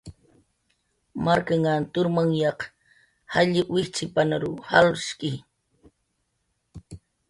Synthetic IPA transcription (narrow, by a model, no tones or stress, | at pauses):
maɾkaŋant̪ʊɾmaŋjɑq | haʎɪwɪht͡sɪpanaɾʊha̰lskʼɪ